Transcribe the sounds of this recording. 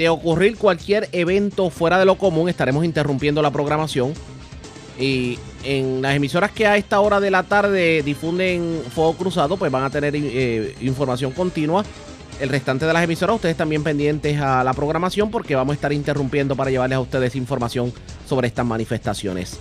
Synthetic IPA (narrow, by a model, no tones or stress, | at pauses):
d̪eo̞kuriɾkwalkje̞ɾe̞βẽ̞nt̪o̞fwe̞ɾaðe̞lo̞ko̞mũŋe̞st̪aɾe̞mo̞sint̪e̞rumpje̞nd̪o̞lapɾo̞ɣ̞ɾamasjo̞ŋ | i | eŋlase̞miso̞ɾaske̞ae̞st̪ao̞ɾaðe̞lat̪aɾðe̞d̪ifund̪e̞ŋfo̞okɾusaðo̞pwe̞sβaŋat̪e̞ne̞ɾeiɱfo̞ɾmasjo̞ŋko̞nt̪inwa | e̞lrest̪ant̪e̞ð̞elase̞miso̞ɾasust̪eðst̪ambje̞mpe̞nd̪je̞nt̪e̞salapɾo̞ɣɾamasjo̞mpo̞ɾke̞βamosest̪aɾint̪e̞rumpje̞nd̪o̞paɾaʝe̞βaɾlesaust̪e̞ðe̞siɱfo̞ɾmasjo̞ŋ | so̞βɾe̞est̪asmanife̞st̪asjo̞̰ne̞̰s